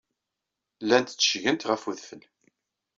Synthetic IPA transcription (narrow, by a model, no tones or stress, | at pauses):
lːænt̪t͡sːə̥ʃʝənt̪ʁəfuðfəl